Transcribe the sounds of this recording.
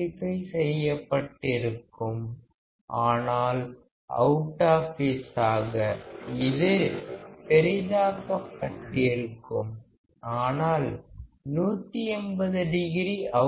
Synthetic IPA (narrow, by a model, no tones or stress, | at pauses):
ɪpːɐɪsɛjːɐpːɐʈːɪɾɯkːɯm | ʔaːnaːl | ʔɐ̰ʊʈːaːfɪsaːɣɐɪðɪɾpɛɾɪðaːkɐkːɐʈːɪɾɯkːɯm | aːnaːl | nuːt̪ːiɛnbɐðɯɖɪɣɪɾiʔɐ